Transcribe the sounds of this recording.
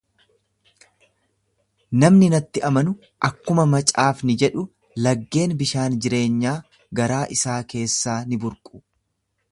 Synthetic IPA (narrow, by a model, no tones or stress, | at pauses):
nɐmnɪnɐt̪ːɪʔɐmɐnʊ | ʔɐkːʊmɐmɐt͡ʃʼaːfnɪd͡ʒɛᶑʊ | lɐɡːe̞ːnbɪʃaːnd͡ʒɪɾe̞ːɲːaː | ɡɐɾaːʔɪsaːke̞ːsːaːnɪbʊɾkʼʊ̥